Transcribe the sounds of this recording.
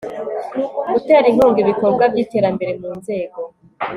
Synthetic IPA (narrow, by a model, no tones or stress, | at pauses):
ɡuteɾin̥uːŋɡiβikobɡavjiːte̞ːɾambe̞ɾe̞muːnze̞ːɡo̞